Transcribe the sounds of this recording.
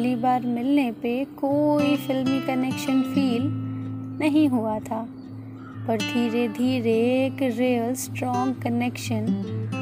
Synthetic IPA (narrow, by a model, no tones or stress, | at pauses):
libaːɾmɪlnepekoːifɪlmikɐneːkʃənfiːl | nɐɦĩɦuat̪ʰaː | pɐɾd̪ʱiːɾed̪ʱiːɾekɾeːəlsʈɾɔ̃ːŋɡkɐneːkʃən